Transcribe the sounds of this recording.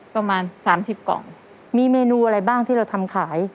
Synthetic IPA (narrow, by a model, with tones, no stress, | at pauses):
pa˧maː˧nsaː˩˦msi˨˩p̚kɔ̰˨˩˦ŋ | miː˧meː˧nuː˧ʔa˧ɾa˧jbaː˥˩ŋt̪ʰiː˥˩ɾa˧wt̪ʰa˧mkʰaː˩˦j